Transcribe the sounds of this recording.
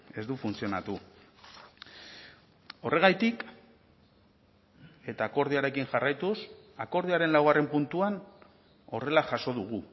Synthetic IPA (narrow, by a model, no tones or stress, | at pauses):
e̞zd̪ufunt͡sio̞nat̪u | o̞re̞ɣ̞ajt̪ik | e̞t̪aːko̞ɾð̞iaɾe̞kiŋʝarajt̪usako̞ɾð̞iaɾe̞nlawɣare̞mpunt̪uan | o̞re̞laʝaso̞ðuɣ̞u